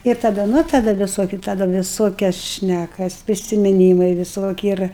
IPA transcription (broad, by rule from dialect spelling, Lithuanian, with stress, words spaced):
ɪr tɐˈdɐ ˈnʊ tɐˈdɐ ʋʲɪˈsoːkʲɪ tɐˈdɐ ʋʲɪˈsoːkʲɛs ˈʃʲnʲækɐs pʲrʲɪsʲɪmʲɪˈnʲiːmɐɪ ʋʲɪˈsoːkʲɪ ˈɪr